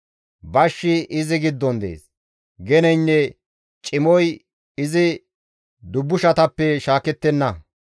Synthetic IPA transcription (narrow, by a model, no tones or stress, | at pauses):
bɐʃːɪʔɪzɪɡɪd̪ːɔnd̪ḛːs | ɡɛnɛjnːɛ | t͡ʃʼɪmɔj | ɪzɪ | d̪ʊbːʊʃɐt̪ɐpːɛʃaːkɛt̪ːɛnːɐ